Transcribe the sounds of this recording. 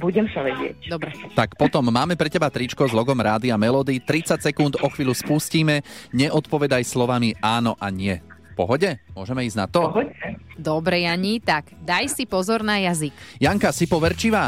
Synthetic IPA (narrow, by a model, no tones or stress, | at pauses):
buɟɛmsaʋɛɟɪɛ̰cd̪ɔbɾɛt̪akpɔt̪ɔmːaːmɛpɾɛcɛbat̪ɾit͡ʃkɔzlɔɡɔmɾaːd̪iamɛlɔːd̪it̪ɾit͡sacsɛkund̪ɔxʋiːluspusciːmɛɲɛʔɔt̪pɔʋɛd̪ajslɔʋamiʔaːnɔʔaɲɪɛ | fpɔ̰ɦɔɟɛmʊɔʒɛmɛiːzna̰t̪ɔɦɔɛd̪ɔbɾɛjaɲit̪aɡ̥d̪ajsipɔzɔɾnajazikjaŋkasipɔʋɛɾt͡ʃiʋaː